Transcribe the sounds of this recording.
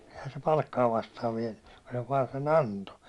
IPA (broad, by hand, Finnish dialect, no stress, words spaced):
ehæ se pɑlkːɑː ʋɑstɑːʋ ʋiɛnːẙ ku se ʋɑːn sen ɑnto